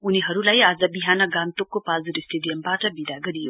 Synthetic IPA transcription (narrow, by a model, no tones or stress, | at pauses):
uniɦʌɾulajaːd͡zʌbiɦanʌɡant̪okːopald͡zuɾisʈeɖijʌmbaʈʌbid̪aɡʌɾijo